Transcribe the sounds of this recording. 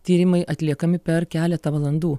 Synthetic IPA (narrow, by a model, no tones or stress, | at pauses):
t̪ʲiːɾʲɪmɐɪʔɐt̪ʲlʲiɛkɐmʲɪpʲɛɾkʲæːlʲɛt̪ɐʋɐlˠɐnd̪uː